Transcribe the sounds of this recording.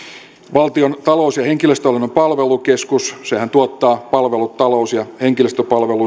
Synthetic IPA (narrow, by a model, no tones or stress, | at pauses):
ʋɑlt̪iont̪ɑlousjɑheŋkiløst̪øɑlinːompɑlʋelukeskussehænt̪uot̪ːɑːpɑlʋelut̪t̪ɑloˑusjɑheŋkiløst̪øpɑlʋelu